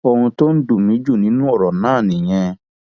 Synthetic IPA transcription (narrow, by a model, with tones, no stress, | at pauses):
ɔ˧hũ˧to˦n̩˦du˦˨mĩ˨˦d͡ʒu˦˨nĩ˦nũ˦ɔ˦˨ɾɔ˨nãː˦˨nĩ˨j̃ɛ̃˧